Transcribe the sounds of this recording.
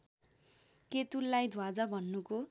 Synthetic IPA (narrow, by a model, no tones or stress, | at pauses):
ket̪ulːajd̪ʱwad͡zʌbʱʌnːuko